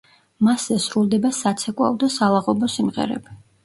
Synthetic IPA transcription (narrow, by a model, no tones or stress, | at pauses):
maszɛsɾulˠd̪ɛbasat̪sʰɛkʼwa̰ɔd̪asalˠaʁɔbɔsimʁɛ̰ɾɛ̰bi